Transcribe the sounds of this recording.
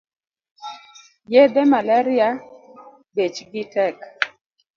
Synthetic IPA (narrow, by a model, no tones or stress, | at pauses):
jɛd̪ɛmalaɾɪa | bet͡ʃɡɪtɛk